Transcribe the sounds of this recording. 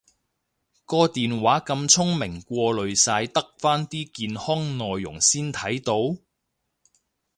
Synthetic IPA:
kɔː˧t̪iː˨nwaː˨˥kɐ˧mt͡sʰʊ˥ŋmɪ˨˩ŋkʷɔː˧lɵ˨ɥsaː˧jt̪ɐ˥k̚faː˥nt̪iː˥kiː˧nhɔː˥ŋnɔː˨jːʊ̰˨˩ŋsiː˥nt̪ʰɐ˨˥jt̪o˨˧˥w

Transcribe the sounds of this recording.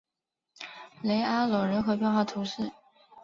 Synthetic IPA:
le˧˥ɪa˥lɔ˨˩ɻə˧˥nxɤ˧˥pjɛ˥˧nxwɑ˥˩ʊt̪ʰu˧˥ʂɻ̩˥˩

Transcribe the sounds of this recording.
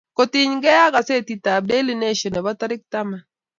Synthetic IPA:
ko˨ti˨ɲɡɛ˦a˦ɡa˨se˦˨ti˨ta˨b̚de˦li˦˨ne˦ʃɔ˨nɛ˨ba˦ta˦ɾɪ˦k̚t̪a˦mɛ˨

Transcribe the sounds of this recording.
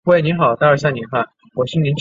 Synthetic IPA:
xwe˥˩ɪni˧˥nxɑ˨˩˦ʊt̪a˥˧ə˞˥ɕja˥˩ŋni˧˥nxa˥˩ | wɔ˨˩ɕi˥˩ŋni˧˥nʈ͡ʂ

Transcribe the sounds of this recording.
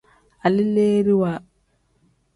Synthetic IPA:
a˨li˦leː˦ɾi˦wa˨

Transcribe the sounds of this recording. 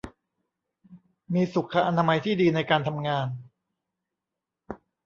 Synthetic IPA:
miː˧su˨˩kʰːa˧ʔa˧naː˧ma˧jt̪ʰiː˥˩diː˧na˧jkaː˧nt̪ʰa˧mŋaː˧n

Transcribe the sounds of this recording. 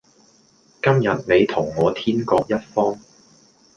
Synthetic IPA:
kɐ˥mjɐ˨t̚ne˨˧jt̪ʰʊ˨˩ŋːɔː˨˧t̪ʰiː˥nkɔː˧k̚jɐ˥t̚fɔː˥ŋ

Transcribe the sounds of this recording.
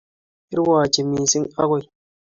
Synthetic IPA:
i˦ɾwa˨t͡ʃi˨mi˨si˦ŋa˦ɣo˦˨

